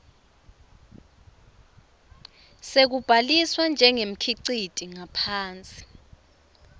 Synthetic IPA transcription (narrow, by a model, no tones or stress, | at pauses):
sek̬ub̥ʱaliswand͡ʒʱɛŋem̩kʰiǀid̥ʱiŋapʰaːnt͡sʼi̥